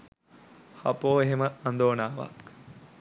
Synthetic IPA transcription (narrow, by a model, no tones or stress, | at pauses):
hɐ̰poːeɦeməːnd̪oːnaːʋa̰k